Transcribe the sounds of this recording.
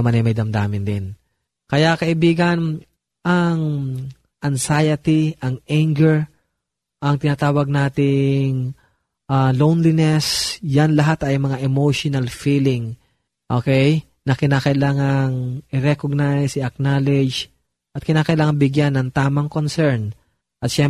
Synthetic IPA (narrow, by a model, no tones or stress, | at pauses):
ɐmanɐjmɐjd̪ɐmd̪aːmɪnd̪ɪn | kɐjakɐʔɪbiːɡɐn | ʔɐŋ | ʔɐŋsajɐt̪iʔɐŋʔaŋɡɛɹ | ʔɐŋt̪ɪnaːt̪aːwɐɡ̚naːt̪ɪŋ | ʔalownlinɛsjanlɐɦat̪ɐjmɐŋaʔɛmowʃonɐlfiːlɪŋ | ʔokɛj | nɐkɪnaːkɐʔɪlaːŋɐŋʔɪɾɛkoɡ̚najsɪɐk̚nalɛd͡ʒ | ʔɐt̪̚kɪnaːkɐʔɪlaːŋɐnbɪɡjanːɐŋt̪aːmɐŋkonsɛɹn | ʔɐt̪̚ʃɛm